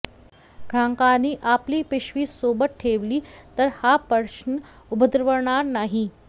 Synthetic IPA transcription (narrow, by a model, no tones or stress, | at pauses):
ɡʰʱãːŋkaniːʔaːpliːpɪʃʋiːsoːbəʈ̪̚ʈʰːeːʋliːt̪əɾhapəɾʃn | ʊbəd̪ɾʋəɾɳaːɾnaːɦi